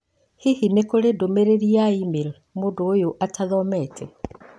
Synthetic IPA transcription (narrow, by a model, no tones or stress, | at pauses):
hihinekoɾedomeɾeɾiaimil | moːndoːjoʔataðɔmɛtʰɛ